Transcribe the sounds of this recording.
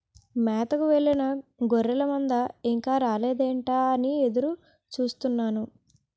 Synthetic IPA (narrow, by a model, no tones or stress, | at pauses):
mɛːt̪ɐkuʋeɭːinɐɡoɾːɛlɐmɐnd̪ɐiŋkaːɾaːleːd̪eːɳʈaːɐnie̞d̪uɾu | t͡ʃuːst̪unːaːnu